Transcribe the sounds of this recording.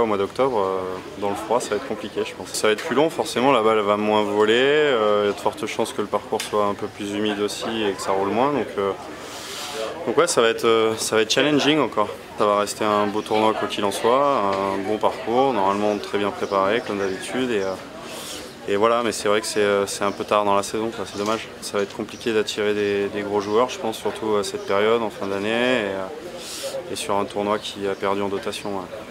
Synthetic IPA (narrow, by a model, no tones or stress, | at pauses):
omwad̪ɔk̚t̪ɔbʁød̪ɑ̃ləfχwasavaɛt̪χkɔ̃plikʲeʒə̥pɑ̃ssavaɛt̪̚plylɔ̃fɔʁsemɑ̃labaɛlvamwɛ̃vɔleøad̪ə̥fɔʁt̪əʃɑ̃skələpaʁkuʁswaɛ̃pøplyzymid̪osiekə̥saʁulmwɛ̃d̪ɔ̃kʰø | d̪̥ɔ̃kwɛsavaɛt̪χøsavaɛt̪̚ːt͡ʃalɛnʒiŋɑ̃kɔʁ | savaʁɛst̪eɛ̃bot̪uʁnwakwakʲilɑ̃swaɛ̃bɔ̃paʁkuʁnɔʁmalmɑ̃t̪χɛbjɛ̃pχepaʁekɔmd̪abit̪ʰyd̪eø | evwalamɛsɛvʁɛkə̥sɛøsɛt̪ɛ̃pøt̪aʁd̪ɑ̃lasɛzɔ̃kwasɛd̪ɔmaʒ | savaɛt̪χkɔ̃plikʲed̪at̪ʰiʁed̪ed̪eɡʁoʒuœʁʒə̥pɑ̃sːyʁt̪ʰuasɛt̪̚peʁjɔd̪ɑ̃fɛ̃d̪aneeø | esyʁɛ̃t̪ʰuʁnwakʲʰiapɛʁd̪yɑ̃d̪ɔt̪asjɔ̃ø